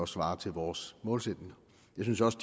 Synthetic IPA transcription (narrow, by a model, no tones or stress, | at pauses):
ɒ̽sʋɑ̈ːt͡sʰe̝lʋɒːsmɔ̽ːlsed̥ne̝ŋɐ | jɑsynsjɒ̽sd̥